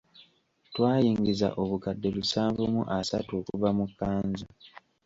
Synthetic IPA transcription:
twaːjiːŋɡiza̰ʔo̞βukadːe̞lusaːɱvumṵʔasatuokuvamukːaːnza

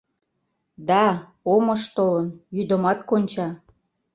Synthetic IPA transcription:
d̪ɑ | omɤ̆ʃt̪olənjyd̪ə̆mɑt̪konʲt͡ɕɑ

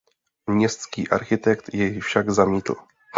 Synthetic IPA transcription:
mɲɛst̪skḭːʔaɾxɪt̪ɛkt̪jɛjfʃaɡzamiːt̪l̩

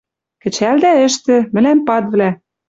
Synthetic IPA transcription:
kɘ̆t͡ɕæld̪æɘ̆ʃt̪ɘ̆mɘ̆læmpɑt̪βlæ

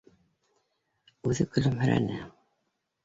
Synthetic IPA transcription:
ʉðɘkɵ̆lɵmhɘ̆ɾæ̰nɘ

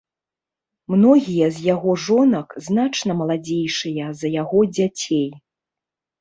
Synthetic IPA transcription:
mnɔɣʲijɐzʲjaɣɔʐɔnɐkznat͡ʂnɐmɐlˠad͡zʲejʂɨjɐzɐjaɣɔd͡zʲat͡sʲej

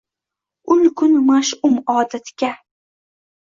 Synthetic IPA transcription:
ʊnkʰʊnmaʃʊmɒːd̪at̪ɡʲa

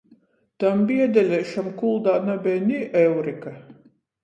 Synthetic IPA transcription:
t̪ambʲiɛd̪ʲɛlʲɛʃamkulˠd̪aːnabʲɛːnʲiʔɛwɾika

